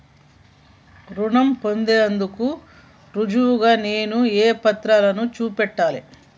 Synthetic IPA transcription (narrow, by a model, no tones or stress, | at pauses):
ɾuɳɐmpo̞nd̪eːɐnd̪uku | ɾud͡ʒuuɡaːne̞ːnueːpɐt̪ɾalɐnut͡ʃuːpɛʈːaːli